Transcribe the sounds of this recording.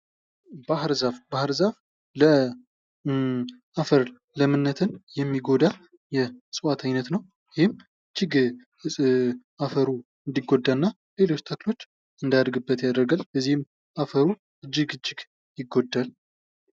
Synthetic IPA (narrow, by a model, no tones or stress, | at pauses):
bahɨɾzafbahɨɾzaf | lə | ʔafəɾ | ləmɨnːət̪ʰɨnjɛmːiɡo̞d̪a | jɛsʼɨwat̪ʰajnət̪nəw | jɪhɪm | t͡ʃːɪɡ | ɨsʼʔafəɾu | ɨnd̪iɡːod̪ːaɨnːa | le̞lo̞t͡ʃːt̪ʰəklo̞t͡ʃː | ɨnd̪ad̪əɾɡɨbːət̪jad̪əɾɡalbəzːihɨm | ʔafəɾu | ʔɨd͡ʒːɪɡɨt͡ʃːɪɡ | jɪɡːod̪ːal